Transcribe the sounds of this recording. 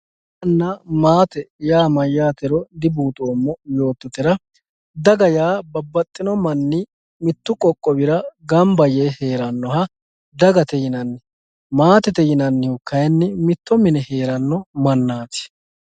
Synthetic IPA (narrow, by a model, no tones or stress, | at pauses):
ɐnːamaːt̪ɛjaːmɐjːaːt̪ɛɾɔd̪ɪbuːt̪ʼoːmːɔjo̞ːt̪ːɔt̪ɛɾɐ | d̪ɐɡɐjaːbɐbːɐt̪ʼːɪnɔmɐnːɪ | mɪt̪ːʊkʼɔkʼːɔbɪɾɐɡɐmbɐjehe̞ːɾɐnːɔɦɐ | d̪ɐɡɐt̪ɛjɪnɐnːɪ | maːt̪ɛt̪ɛjɪnɐnːɪhʊkːɐjɐnːɪmɪt̪ːɔmɪnɛhe̞ːɾɐnːɔmɐnːaːt̪ɪ̥